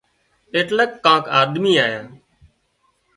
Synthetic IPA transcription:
eːʈləkːãːkaːd̪miːaːjãː

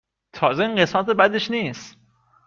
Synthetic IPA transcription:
t̪ʰɒːzeiːŋɢesmæt̪ebæd̪eʃniːst̪

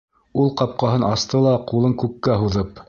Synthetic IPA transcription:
ulˠqɑp̚qɑɦɤnʔɑst̪ɤlˠɑqulˠɤŋkʉkːæɦuðɤp

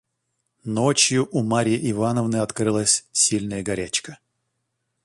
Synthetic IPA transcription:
not͡ɕjʊʔumaɾʲɪɪʔɪvanəvnɨɐt̪kɾɨlˠəsʲsʲilʲnəjəɡɐɾʲæt͡ɕkə

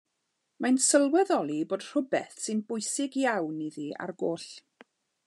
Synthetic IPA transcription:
majnsəlˠwɛðɔlˠiboːd̥r̥ʊbɛθsɨnbʊjsɪɡjawniðia̰rɡoːɬ

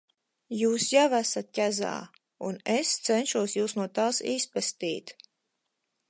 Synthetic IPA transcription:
juːsjavæsat̪̚cʲæza̰ː | unest̪sɛnʃuɔsjuːsnuɔt̪aːsispɛst̪iːt̪

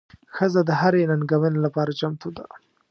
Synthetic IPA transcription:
xəzad̪əɦaɾenanɡawənelapɑɾat͡ʃamt̪od̪a̰

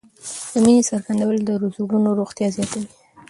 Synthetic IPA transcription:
d̪̥əminesaɾɡand̪awəld̪əɾuzuɡunoɾoɣt̪jɑzjɑt̪awi

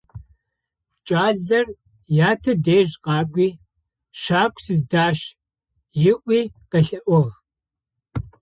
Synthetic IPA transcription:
t͡ʃʼaːɮɐr | jaːtʰɐdeːʒqɑːɡʷiː | ʃaːkʷʰʼsɨzdaːʃ | jɪʔʷiːqɐɬɐʔʷʊʁ

